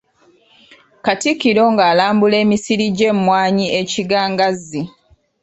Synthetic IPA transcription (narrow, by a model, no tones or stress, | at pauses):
katikːiɾo̞ŋɡaːlaːmbule̞ːmisiɾiɟe̞mmwaːɲieciɡaːŋɡazːi